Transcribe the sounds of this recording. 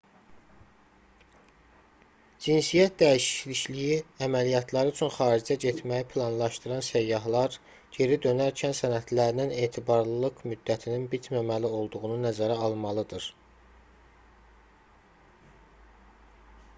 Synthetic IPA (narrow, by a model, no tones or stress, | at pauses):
d͡ʒinsijæt̪̚d̪æiʃi̥liʃlijiæmælijɑt̪ʰlˠɑɾɯt͡ʃʰynχɑːɾid͡ʒæɟet̪ʰmæjipʰlˠɑnlˠɑʃt̪ɯɾɑnsæjːɑɦlˠɑɾ | ɟe̞ɾid̪ø̞næɾcʰænsænæt̪ʰlæɾnine̞ːt̪ʰibɑɾlˠɯlˠɯkmyd̪ːæt̪ʰininbit̪ʰmæmælio̞lˠd̪uʁununæzæɾæɑlˠmɑlˠɯd̪ɯɾ